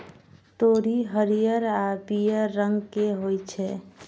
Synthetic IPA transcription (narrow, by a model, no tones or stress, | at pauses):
t̪oɾiɦəɾijəɾabijəɾːəŋɡkeɦojt͡ʃʰɛ